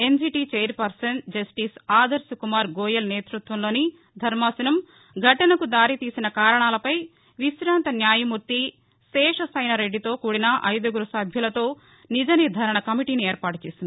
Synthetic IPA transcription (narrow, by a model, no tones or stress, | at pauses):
e̞nd͡ʒiːʈit͡ʃeːɐɾpɐɾsɐnd͡ʒɐsʈiːsaːd̪ɐɾsukumaːɾɡɔːjɐlneːt̪ɾut̪ʋɐmlo̞ːni | d̪ʱɐɾmaːsɐnɐm | ɡʱɐʈɐnɐkud̪aːɾit̪iːsinɐkaːɾɐɳaːlɐpɐj | ʋiʃɾaːnt̪ɐnjaːjɐmuɾt̪i | ʃɛːʂɐsɐjnɐɾeɖːit̪o̞ːkuːɽinɐʔɐjd̪ɐɡuɾusɐbʱjɐlɐt̪o̞ː | nid͡ʒɐnid̪ʱaːɾɐɳɐkɐmiʈiːnieːɾpaːʈut͡ʃeːsind̪i